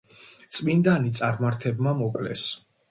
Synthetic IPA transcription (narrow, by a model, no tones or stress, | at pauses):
t̪sʼmind̪anit̪sʼaɾmaɾt̪ʰɛbmamɔkʼlɛs